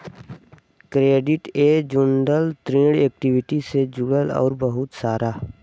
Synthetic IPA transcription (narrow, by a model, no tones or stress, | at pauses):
kɾeːɖɪʈeːd͡ʒʊɳɖəlt̪ɾẽːɽeːk̚ʈɪwɪʈised͡ʒʊɡəlɔ̰ːɾbəɦʊt̪saːɾaː